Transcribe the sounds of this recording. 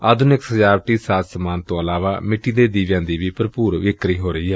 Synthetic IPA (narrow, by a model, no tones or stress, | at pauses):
əːd̪ʊnɪksəd͡ʒaːʋʈiːsaːt̪səmaːnt̪õːəlaːʋa̰ːmɪʈːiːd̪eːd̪iːʋjãːnd̪iːʋiːpəɾpuːɾʋɪkɾiːɦoːɾəiːɦɛː